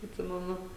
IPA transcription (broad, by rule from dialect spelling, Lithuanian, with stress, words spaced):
ɐtʲˈsʲɪmʲɛnʊ